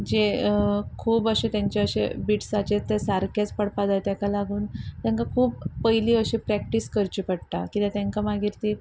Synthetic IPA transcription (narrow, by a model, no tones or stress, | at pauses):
d͡ʑe | kʰuːbəɕẽt̪jãɲt͡ɕeəɕebiʈsat͡ɕet̪esaɾkʰat͡spəɽpad͡zajt̪jãkalaɡuːnt̪jãŋkakʰuːpːəjliːəɕipɾæk̚ʈiskəɾt͡ɕipəɽʈ̪a̰kit̪ẽt̪jaŋkamaɡiɾt̪i